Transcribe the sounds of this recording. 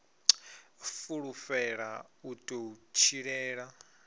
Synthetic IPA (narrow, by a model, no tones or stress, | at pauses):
fuɺufɛɺautʼout͡ʃʰiɺɛːɺa